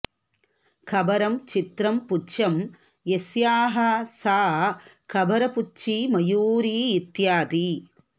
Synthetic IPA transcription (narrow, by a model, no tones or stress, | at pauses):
kʰɐbɐɾɐmt͡ʃit̪ɾɐmput͡ʃɐm | jesjaːɦɐsaː | kʰɐbɐɾɐput͡ʃimɐjuːɾiːt̪jaːt̪i